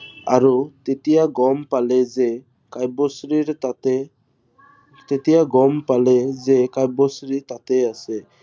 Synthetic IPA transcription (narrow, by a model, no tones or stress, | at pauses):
a̰ɾut̪et̪ijaɡɔmpaled͡ʒe | kajbosɾiɾt̪at̪e | t̪et̪ijaɡɔmpaled͡ʒekajbosɾit̪at̪ease